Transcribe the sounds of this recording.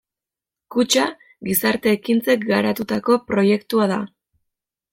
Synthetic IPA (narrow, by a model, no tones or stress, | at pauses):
kut͡ʃa | ɡisaɾt̪e̞ːkint͡se̞k̚ɡaɾat̪ut̪ako̞pɾo̞je̞kt̪uaða̰